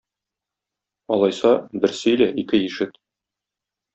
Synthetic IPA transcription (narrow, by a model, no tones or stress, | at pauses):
ɒlˠɑjsɑbɘ̆ɾsɵ̆jlæʔikɘiʃɘt̪